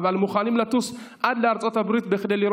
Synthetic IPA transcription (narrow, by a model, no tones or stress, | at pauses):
valmuχaːlimlat̪us | ʔad̪laaɾt͡sʼo̞t̪abɾit̪bexd̪ejliɾ